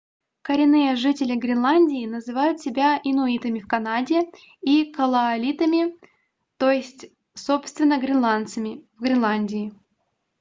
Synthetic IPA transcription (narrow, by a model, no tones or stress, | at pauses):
kəɾʲɪnːɨjəʐɨtʲɪlʲɪɡɾʲɪnlˠanʲdʲɪːnəzɨvajʊt̪sʲɪbʲaɪnʊit̪əmʲɪfkɐnadʲɪ | ikəlˠɐɐlʲit̪əmʲɪ | t̪o̞jɪsʲtʲ | so̞pst̪vʲɪnːəɡɾʲɪnlˠant̪səmʲɪvɡɾʲɪnlˠanʲdʲɪɪ